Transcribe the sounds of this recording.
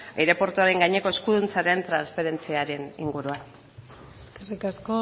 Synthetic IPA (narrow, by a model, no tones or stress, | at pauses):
ejɾe̞po̞ɾt̪uaɾe̞ŋɡaɲe̞ko̞e̞skuðunt͡saɾe̞nt̪ɾansfeɾe̞nt͡siaɾe̞nḭŋɡuɾuan | eskerikasko